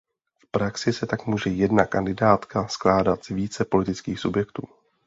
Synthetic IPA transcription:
fpɾaksɪsɛt̪akmuːʒɛjɛdnakandɪdaːt̪kasklaːdat̪z̥viːt͡sɛpo̞lɪt̪ɪt͡skiːxsubjɛkt̪uː

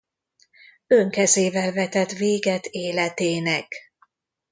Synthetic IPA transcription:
øŋkɛzeːvɛlvɛt̪ɛt̪veːɡɛt̪eːlɛt̪eːnɛk

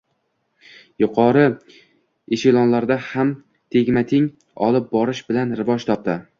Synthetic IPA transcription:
jʊqʰɒɾɪ | eʃɪlˠɒnlaɾd̪aham | t̪ʰeɡʲmat̪ʰɪŋ | ɒlˠɪp̚bɒɾɪʃbɪlanɾɪvɒd͡ʒt̪ʰɒp̚t̪ɪ

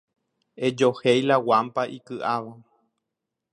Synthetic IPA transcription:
e̞d͡ʒohejlawampaʔikɨʔaʋa

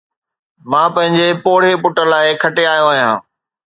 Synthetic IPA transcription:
mãːpɐ̃ɦɪ̃ɲd͡ʑepoːɽ̤epʊʈəlaːɪkʰɐʈeaːɦijõaːɦijã̰ː

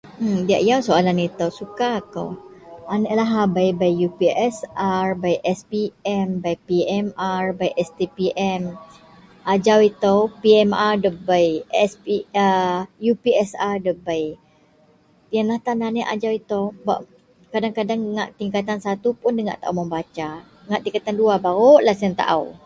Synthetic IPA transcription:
m̩dia̰ʔjawsoalanit̪əwsukako̰wanəʔlaɦabajbajjupiɛsʔarbajʔɛspiɛmbajpiɛmarbajʔɛst̪epiʔɛm | ʔad͡ʒawit̪əwpiɛmardəbajɛspiəjupiɛsardəbaj | janlaht̪ananəʔa̰d͡ʒawit̪oba̰ʔ | kadaŋkadaŋːa̰ʔt̪iŋkat̪̬ansat̪upʊndəŋa̰ʔt̪a̰ʔa̰wməmbat͡ʃa | ŋaʔt̪iŋkat̪anduabaɣoʔlahsiaŋt̪a̰ʔa̰w

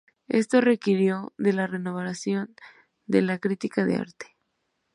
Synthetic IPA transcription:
e̞̰st̪o̞re̞kiɾjo̞ðe̞lare̞noβaɾasjo̞n | d̪e̞lakɾit̪ikaðḛa̰ɾt̪e̥

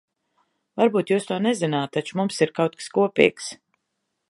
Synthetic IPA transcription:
vaɾbuːt̪juːst̪uɔnɛzinaːt̪̚t̪ːat͡ʃumumsiɾkawt̪̚kskuɔpʲḭːks

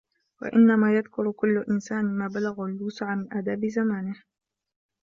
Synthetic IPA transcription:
wa̰ʔɪnːamaːjaðkʊɾkʊlːʊʔɪnsaːnɪmaːbalaɣalːuːsɪʕamɪnʔaːd̪aːbɪzamaːnɪh

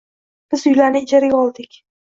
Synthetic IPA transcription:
b̥ɪzʊjlaɾnɪɪd͡ʒaɾaɡʲaɒlˠd̪ɪkʲ

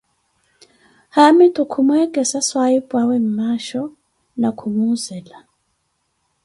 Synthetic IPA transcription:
hamɛtʰʼɔkʰumwɛkʼɛsaswaipʼwawɛm̩maʃɔ | nakʰumuzɛla

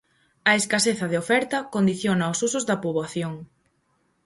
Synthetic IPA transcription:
ɐeskaseθɐðeofɛɾt̪ɐkond̪iθjonɐosusʊzðɐpuβaθjoŋ

